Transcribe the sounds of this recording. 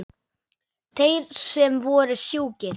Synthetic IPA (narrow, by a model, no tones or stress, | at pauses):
t̪ʰejɾsɛmvɔːɾɪsjuːcɪɾ